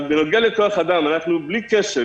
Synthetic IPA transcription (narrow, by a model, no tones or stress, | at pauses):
benoɡealeko̞aχad̪amanaχnublikeʃe